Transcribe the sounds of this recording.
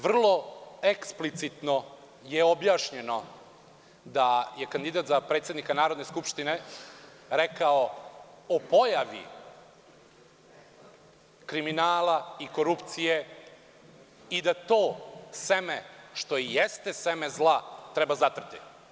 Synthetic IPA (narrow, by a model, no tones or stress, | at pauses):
ʋr̩lˠo̞eksplit̪sit̪no̞ | jeobjaːʃɲeno̞ | d̪ajekand̪id̪aːt̪zapɾet̪sjed̪nikanaːɾo̞d̪neskupʃt̪ine | ɾekaoopo̞jaʋḭ | kɾiminaːlaiko̞ɾupt̪sije | id̪at̪oːsemeʃt̪o̞ijest̪esemezlˠat̪ɾebazat̪r̩t̪ḭ